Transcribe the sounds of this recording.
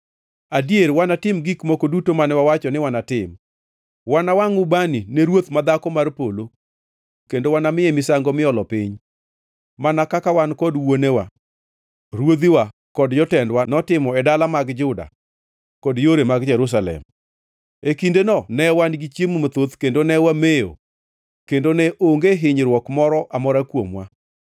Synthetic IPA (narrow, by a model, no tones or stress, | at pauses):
adijeɾwanatɪmɡikmokodutomanɛwawat͡ʃɔnɪwanatɪm | wanawaŋʊbanineɾwot̪mad̪akɔmarpolo | kendowanamɪemɪsaŋɡɔmɪɔlɔpɪɲ | manakakawankɔdwonewa | ɾwod̪iwa | kɔdjɔtɛndwanɔtɪmɔɛdalamaɡd͡ʒʊda̰ | kɔdjoɾemaɡd͡ʒɛɾus̬alɛ̰m | ekindenɔnɛwanɡit͡ʃjemumot̪ot̪kendonɛwamejo̰ | kendonɛʔoŋɡeɦɪɲɾwɔkmɔɾɔʔamɔɾakwomwa̰